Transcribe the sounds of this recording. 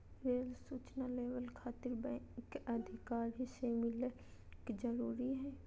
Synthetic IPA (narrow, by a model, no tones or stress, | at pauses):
ɾeːlsuːt͡ʃnaleːʋəlkʰaːt̪ɪɾbɛ̃kɐd̪ʱɪkaːɾɦisemɪle | kd͡ʒəɾuːɾiɦɛː